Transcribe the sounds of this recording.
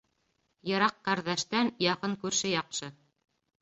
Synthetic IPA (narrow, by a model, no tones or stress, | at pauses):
jɤ̆ɾɑqːæɾðæʃt̪ænjɑqɤŋkʉɾʃɘjɑqʃɤ